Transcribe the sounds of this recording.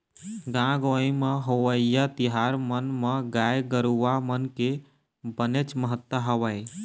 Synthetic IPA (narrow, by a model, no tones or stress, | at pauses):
ɡãɡoimeɦoʋəjat̪iɦaɾmənmeɡajɡəɾuʋamənke | bənet͡ʃməɦət̪wəɦəʋəj